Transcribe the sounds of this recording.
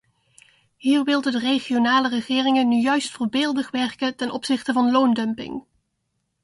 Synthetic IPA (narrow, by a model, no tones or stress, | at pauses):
ɦiːrʋɪlˠdədərejχijonaːlərəχɪːrɪŋənːyjœɥstfʊɹbɪːlˠdəχʋɛɹkətɛnʔɔpsɪχtəvɑnlowndœmpɪ̰ŋ